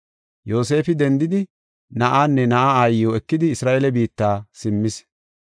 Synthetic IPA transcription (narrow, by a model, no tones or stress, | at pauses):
jo̞ːse̞ːfɪd̪ɛnd̪ɪd̪ɪ | nɐʔaːnːɛnɐʔaaːjːoːɛkːɪd̪ɪːsɾaːʔelɛbiːt̪ːaːsɪmːɪs